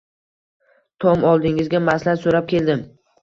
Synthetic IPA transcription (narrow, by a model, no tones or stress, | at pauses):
t̪ʰɒmɒlˠd̪ɪŋɪzɡʲamaslaɾsoɾap̚kʲe̞ld̪ɪm